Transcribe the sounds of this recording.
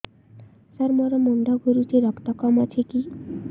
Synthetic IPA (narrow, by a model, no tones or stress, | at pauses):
saɾmɔɾɔmoɳɖ̪aɡʱuɾut͡ʃiɾɔkt̪ɔkɔmat͡ʃʰeki